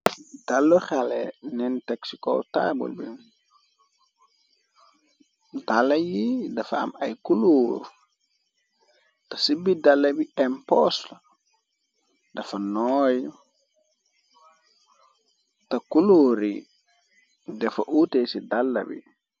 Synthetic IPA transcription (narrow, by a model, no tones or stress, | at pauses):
d̥alːuxalɛ̰nɛntɛksikɔ̰tabṵlbi | dalːɐjidɐfaɐ̰mɐjkuluːɾ | tɐsibidalːɐbiɛmpɔslɐ | dɐfɐnɔj | tɐkuluɾḭ | dɛfɐ̰ʔutesidalːɐ̰bḭ